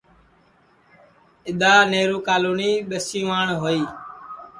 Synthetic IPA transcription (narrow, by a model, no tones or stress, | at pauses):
ɪɗ̪aːneːɾuːkaːluːniːɓesĩːʋaːɳɦoːiː